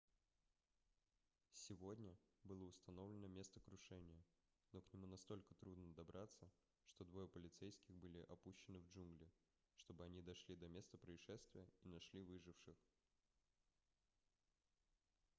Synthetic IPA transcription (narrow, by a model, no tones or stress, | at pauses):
sʲɪvo̞dʲnʲəbɨlˠəʊst̪ɐno̞vlʲɪnəmʲe̞st̪əkɾʊʂɛnʲɪjə | no̞knʲɪmunɐst̪o̞lʲkət̪ɾud̪nəd̪ɐbɾʔat̪sːə | ʂt̪o̞d̪vo̞jəpəlʲɪt̪sɛjskʲɪxbɨlʲɪʔɐpuɕːɪnɨvd͡ʒunɡlʲɪ | ʂt̪o̞bɨɐnʲid̪ɐʂlʲid̪ɐmʲe̞st̪əpɾəɪʂɛst̪vʲɪjəinɐʂlʲivɨʐɨfʂɨx